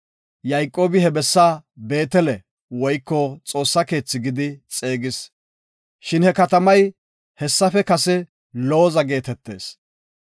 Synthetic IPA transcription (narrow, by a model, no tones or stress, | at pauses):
jɐjkʼːo̞ːbɪhɛbɛsːaːbe̞ːt̪ɛlɛ | wɔjkːɔt͡sʼo̞ːsːɐke̞ːt͡sːɪɡɪd̪ɪt͡sʼe̞ːɡɪs | ʃɪnhɛkɐt̪ɐmɐj | hɛsːɐfɛkɐsɛ | loːzɐɡe̞ːt̪ɛt̪ːe̞ːs